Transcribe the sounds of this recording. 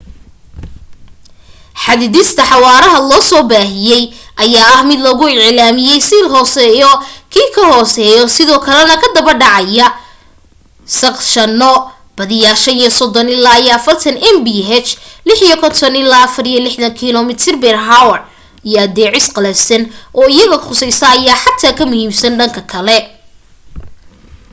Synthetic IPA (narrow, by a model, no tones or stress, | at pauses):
ħɑðɪðɪst̪ʰɐħɑwaːɾɐɦɐlɔːsɔːbaːɦɪjɛjʔɐjaːɐhmɪd̪lɔɣʊɪʕlaːmɪjɛjsiːlɦɔːsɛjɔkʰiːkʰɐhɔːsɛːjɔsɪðɔːkʰɐlɛnɐkʰɐd̪ɐβɐrɖɑʕɑjɐ | sɐqʃɐnːɔ | b̥ɐðɪjaːrʃɐnjɔsɔd̪ɔnɪlːaːjɛɐfɐrt̪ʰɐnɛmbiɦɛt͡ʃlɪħijɔkʰɔnt̪ʰɔnɪlaːɐfɐrijɐlɪħðɐŋkʰiːlɔmɪt̪ʰɪrbɛrɦawɐr | ijɔɐd̪ɛːʕɪsqɐlɛsɐnʔɔːɪjɐɣɐχʊsɛjsɐːjaːħɑt̪ʰaːkʰɐmʊhiːmsɐnɖɐŋkʰɐkʰɐlɛ